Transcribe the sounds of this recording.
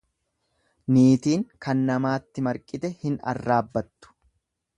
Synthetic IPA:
niːt̪iːŋkɐnːɐmaːt̪ːɪmɐɾkʼːɪt̪ɛhɪnɐ̰rːaːbːɐt̪ːʊ̥

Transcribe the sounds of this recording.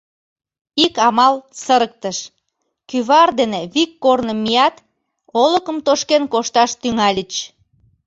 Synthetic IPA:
ikɑmɑlsəɾək̚t̪əʃ | kyβɑrd̪eneβikːornəmːijɑt̪ | oləkəmt̪oʃkenkoʃt̪ɑʃt̪yŋɑlʲət͡ɕ

